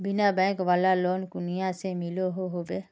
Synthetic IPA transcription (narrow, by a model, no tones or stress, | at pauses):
binaːbɛkʋalaːloːnkunijaːseːmiloːɦoɦobe